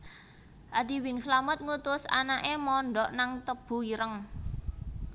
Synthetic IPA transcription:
ʔadiwɪŋslamət̪̚ŋut̪ʊsa̰naʔemɔɳɖɔʔnaŋt̪əb̥ṳiɾəŋ

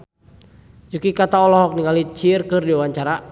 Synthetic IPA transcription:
d͡ʒukikat̪aɔlɔɦɔk̚niŋalit͡ʃirkɨrdiwaɲt͡ʃaɾa

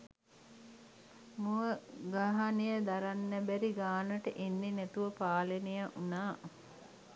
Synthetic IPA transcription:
muʋəɡaɦanijəd̪aɾanːæbæɾiɡaːnəʈəʔenːenæt̪uʋəpaːlenejaʔunaː

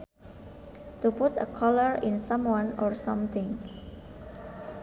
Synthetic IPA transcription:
t̪uput̪ə̰kʰɔləɹɪ̃nsãmwãnɔɹsʌ̃mt̪ɪ̃ŋ

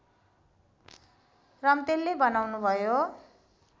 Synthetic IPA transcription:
rʌmt̪elːebʌnawnubʱʌjo

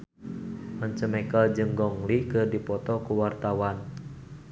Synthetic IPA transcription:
məɲt͡ʃəmɛkəld͡ʒɨŋɡɔŋlikɨrdipɔt̪ɔkuwart̪awan

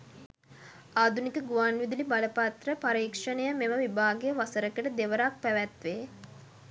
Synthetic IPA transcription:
aːd̪ʱunikəɡuʋanʋid̪ilibaləpat̪rəpaɾiːkʂənəjəmeməʋibʱaːɡejəʋasəɾəkəʈəd̪eʋəɾak̚pæʋæt̪ʋeː

